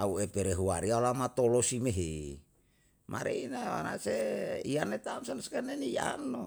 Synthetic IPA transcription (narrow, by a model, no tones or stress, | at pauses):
auepeɾeɦuaɾialamat̪olosimeɦe | mʔa̰ɾḛinawa̰naseianet̪amsanskanenija̰no